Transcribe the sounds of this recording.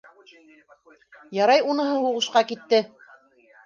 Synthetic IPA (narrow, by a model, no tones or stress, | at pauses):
jɑɾɑjunɤ̆ɦɤhuʁɤ̆ʃqɑkit̪ːɘ